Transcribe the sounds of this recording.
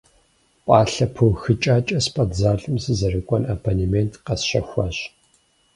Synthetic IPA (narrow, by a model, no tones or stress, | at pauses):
pʷʼɑːɬɐpʰɨwxɨt͡ʃʼaːt͡ʃʼɐspʰʼɐtzaːɬʼɨmsɨzɐrɨkʷʼɔnɐpʰonimentʰqɐsʃɐxʷaːɕ